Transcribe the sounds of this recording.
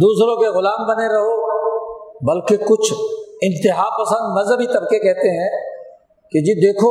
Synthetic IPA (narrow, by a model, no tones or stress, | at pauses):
d̪uːsɾõkeɣʊlaːmbɐneɾɐɦo | bɐlkekʊt͡ʃʰɪ̃nt̪ɪɦaːpɐsə̃nd̪mɐzəbʱit̪ɐbkekɛɦt̪eɦɛ̃ː | ked͡ʒiːd̪eːkʰo